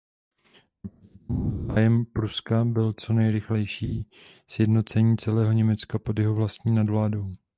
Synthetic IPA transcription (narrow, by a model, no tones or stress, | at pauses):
ajɛmpɾuskabɪlt͡so̞nɛjɾɪxlɛjʃiː | sjɛdno̞t͡sɛɲiːt͡sɛlɛːɦo̞ɲɛmɛt͡skapo̞djɛɦo̞vlast̪ɲiːnadvlaːdo̞w